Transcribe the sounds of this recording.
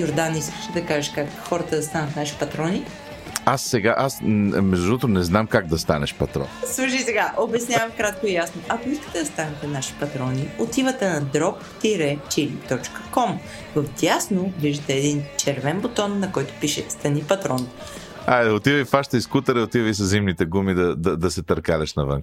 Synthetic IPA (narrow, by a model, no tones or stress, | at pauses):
joɾd̪aniskə̥ʃɛd̪ɐkaʒɛʃkakxɔɾɐt̪əd̪ɐst̪anɐt̪naʃi̥pɐt̪ɾɔni | asːɛɡaʔasmɛʒd̪uɔt̪ɾʊnɛznamkaɡ̚d̪ɐst̪a̰nɛ̰ʃpɐt̪ɾɔ̰nslˠuʃ̬isɛɡaʔobɛsnʲjavɐmkɾat̪̚koijasnoʔɐkʊiskə̥t̪ɛd̪ɐst̪anɛt̪ɛnaʃi̥pɐt̪ɾɔniot̪ivət̪ɛnɐd̪ɾɔp | t̪iɾɛt͡ʃilit̪ɔt͡ʃkə̥kɔm | vɐfd̪ʲjasnoviʒit̪ɛːd̪int͡ʃɛɾvɛnbot̪ɔnːɐkɔjt̪ʊ̥piʃɛst̪ɐnipɐt̪ɾɔn | aot̪ivɐifaʃt̪əiskut̪əɾəot̪ivəisɐzzimnit̪ɛɡumid̪ɐd̪ɐd̪ɐsɛt̪ɐɾkalʲɐʃnɐvə̰ŋk